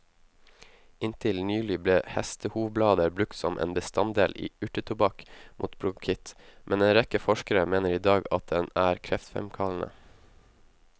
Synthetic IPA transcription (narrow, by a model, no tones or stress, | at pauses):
ɪnt̪ʰɪlnyːlɪbleːhɛst̪əhuːʋblɑːd̪əɾbɾʉk̚t̪sɔmʔḛːnbəst̪ɑnd̪eːlʔḭːʉʈət̪ʰʊbɑkmʔṵːt̪bɾʊkʰɪt̪mʔɛneːnɾɛkəfɔʃkəɾəmeːnəɾiːd̪ɑːɡɑt̪̚d̪ɛnæːɾkʰɾɛft̪fɛ̰mkʰɑln̩ə̰